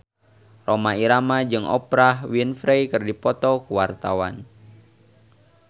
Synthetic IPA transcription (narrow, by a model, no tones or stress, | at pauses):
romaiɾamad͡ʒɨŋʔɔ̰pɾahwinfɾejkɨrdipɔt̪ɔkuwart̪awa̰n